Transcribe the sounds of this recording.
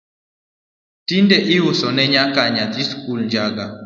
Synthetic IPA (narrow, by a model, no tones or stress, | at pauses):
tindɛʔɪʊsɔnɛɲakaɲat̪iskulɲd͡ʒaɡa